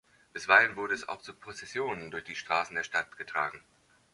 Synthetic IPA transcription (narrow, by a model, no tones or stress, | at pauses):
b̥ɪsv̥aɪlənvʊɐɾəɛsa̰ʊxt͡supʁ̥ot͡sɛsjoːnəndʊɐçd̥iːʃtʁ̥aːsn̩deːɐʃtatɡ̥ətʁ̥a̰ːɡŋ̩